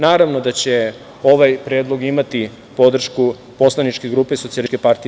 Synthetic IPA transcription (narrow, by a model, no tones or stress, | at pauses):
naːɾaʋno̞d̪at͡ɕe̞ | o̞ʋajpɾeːd̪lˠo̞ɡimat̪i | po̞d̪r̩ʃku | po̞slˠanit͡ʃkeɡɾuːpesosialikʲepaɾt̪i